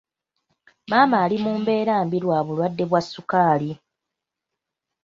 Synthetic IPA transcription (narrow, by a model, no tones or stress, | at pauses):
maːmaːlimuːmbe̞ːɾaːmbiɾwaːβulwadːe̞βwasːukaːli